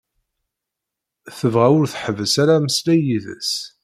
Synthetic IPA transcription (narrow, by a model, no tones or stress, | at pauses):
θəvʁæʊɾθħəvəsaɾæməslæjiðə̰s